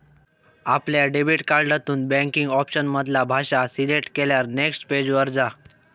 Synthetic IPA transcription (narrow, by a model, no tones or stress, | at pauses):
apljaɖebiʈkaɾɖat̪uːnbɛ̃ŋkiŋɡɔpɕənməd̪ʱlabʱaɕasileʈkeljaɾneksʈped͡ʑʋəɾd͡za